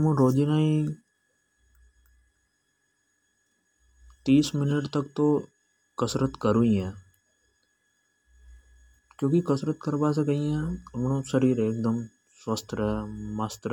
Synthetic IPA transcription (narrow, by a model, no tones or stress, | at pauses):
mũːɾoːd͡ʒinaːi | t̪iːsmɪnəʈt̪əkt̪oː | kəsɾət̪kəɾũĩɛ̃ː | kjõːkikəsɾət̪kəɾbaːs̬ekɐĩɛ̃ɐmnõːsəɾiːɾeːk̚d̪əm | sʋəst̪ʰɾɦɛmɐst̪